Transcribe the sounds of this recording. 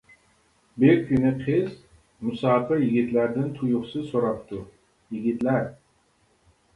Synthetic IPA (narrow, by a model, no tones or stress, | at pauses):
bɪɾkʲʰynɪqʰɪz | mʊsɑːpɨjɪɡʲit̪læɾd̪ɪnt̪ʰʊjʊχsɨzsoɾɑp̚t̪ʰʊ | jɪɡʲit̪læɾ